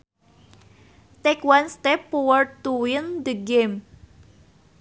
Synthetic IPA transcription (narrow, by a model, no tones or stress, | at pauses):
t̪ɛkwanst̪ɛpːuwər̚t̪uwɪnd̪əɡem